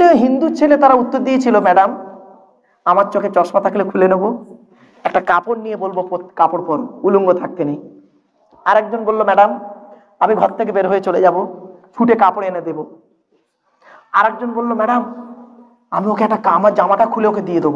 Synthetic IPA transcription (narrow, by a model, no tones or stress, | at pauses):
eɦind̪ut͡ɕʰelet̪aɾaut̪ːoɾd̪ijet͡ɕʰilomɛɖam | amaɾt͡ɕɔket͡ɕɔʃmat̪ʰakʰelekʰulenobo | ɛk̚ʈakaponnijebolbopot̪kapoɾpɔɾuluŋɡot̪ʰak̚t̪enej | aɾɛk̚d͡ʑonbolːomɛɖam | amiɡʱɔt̪ʰːek̬ebeɾɦoet͡ɕoled͡ʑabofʰuʈekapoɾened̪ebo | aɾɛkd͡ʑonbolːomɛɖam | amiokeɛk̚ʈakamad͡ʑamaʈakʰuleoked̪ijed̪obo